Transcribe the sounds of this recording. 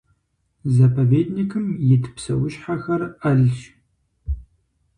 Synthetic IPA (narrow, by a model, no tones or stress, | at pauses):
zɐpʰɐveːdnikʰɨmjɪtʰɨ̥psɐ̰wʊʃħaxɐrɐɮʃ